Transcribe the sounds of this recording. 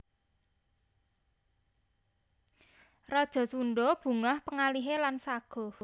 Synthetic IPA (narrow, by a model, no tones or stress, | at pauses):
rɔd̥ʒ̥ɔ̤suɳɖɔb̥ṳŋahpəŋaliɦelansaɡ̥ɔ̤